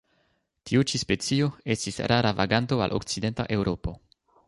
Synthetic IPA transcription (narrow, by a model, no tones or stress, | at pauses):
tiut͡ʃispe̞t͡sio̞e̞stisɾʔaɾava̰ɡanto̞a̰lʔo̞̰kt͡side̞nta̰ʔe̞wɾo̞po̞